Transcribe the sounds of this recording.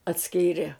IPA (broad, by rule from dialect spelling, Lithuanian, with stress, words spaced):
ɐtʲˈsʲkʲiːrʲeː